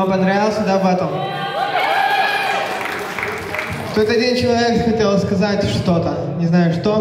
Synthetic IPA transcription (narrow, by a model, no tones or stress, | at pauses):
ɐpɐnd̪ɾavʲɪlˠsʲəd̪avɛt̪əm | ft̪ojʲt̪ədʲenʲt͡ɕɪlˠɐvʲekxɐtʲe̞lˠskɐzatʲʂt̪o̞t̪ə | nʲɪznajʊʂt̪o